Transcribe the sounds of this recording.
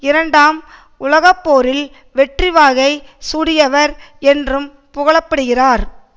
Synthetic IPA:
ɪɾɐɳɖaːm | ʊlɐɣɐpːoːɾɪl | ʋɛʈrɪʋaːɣɐɪsuːɽɪjɐʋɐɾɛndrɯm | pʊɣɐɭɐpːɐɽɯɣɪraːɾ

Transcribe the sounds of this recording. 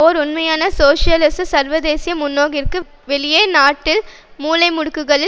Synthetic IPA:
oːɾʊnmɐjaːnɐsoːʂɪjɐlɪssɐɾʋɐd̪eːsɪjɐmʊnːoːɣɪrkɯ | ʋɛɭɪjeːnaːʈːɪl | muːlɐɪmʊɽɯkːɯɣɐɭɪ

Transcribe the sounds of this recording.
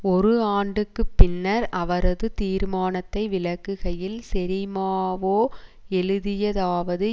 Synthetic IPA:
ɔɾɯaːɳɖɯkːɯpːɪnːɐɾɐʋɐɾɐðɯt̪iːɾmaːnɐt̪ːɐɪʋɪlɐkːɯɣɐjɪlsɛɾɪmaːʋoːɛɻɯðɪjɐðaːʋɐðɯ

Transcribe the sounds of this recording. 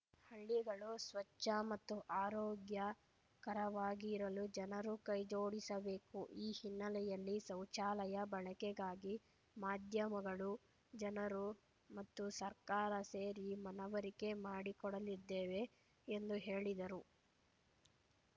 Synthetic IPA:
hɐɭːiɡɐɭusʋɐt͡ʃːɐmɐt̪ːuʔaːɾɔːɡjɐ | kɐɾɐʋaːɡiɾɐlud͡ʒɐnɐɾukɐjd͡ʒo̞ːɽisɐbe̞ːkuʔiːhinːɐlɛjɐlːisɐwt͡ʃaːlɐjɐbɐɭɐkɛɡaːɡi | maːd̪ʱjɐmɐɡɐɭu | d͡ʒɐnɐɾu | mɐt̪ːusɐɾkaːɾɐseːɾimɐnɐʋɐɾike̞maːɽikɔɽɐlid̪ːeːʋe̞ː | nd̪uɦe̞ːɭid̪ɐɾu

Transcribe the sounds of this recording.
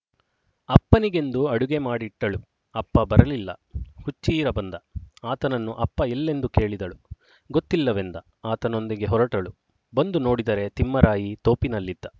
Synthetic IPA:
ɐpːɐniɡe̞nd̪uɐɽuɡe̞maːɽiʈːɐɭu | ɐpːɐbɐɾɐlilːɐ̰hut͡ʃːiːɾɐbɐnd̪ɐaːt̪ɐnɐnːuʔɐpːɐelːe̞nd̪uke̞ːɭid̪ɐɭu | ɡot̪ːilːɐʋend̪ɐ | aːt̪ɐno̞nd̪iɡe̞ɦɔɾɐʈɐɭu | bɐnd̪uno̞ːɽid̪ɐɾe̞t̪imːɐɾaːjit̪o̞ːpinɐlːid̪ːɐ

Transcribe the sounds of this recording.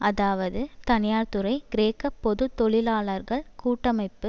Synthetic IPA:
ɐðaːʋɐðɯt̪ɐnɪjaːɾt̪ɯɾɐɪɡɪɾeːkɐpːɔðɯt̪ːɔɭɪlaːɭɐɾɣɐɭkuːʈːɐmɐɪpːɯ

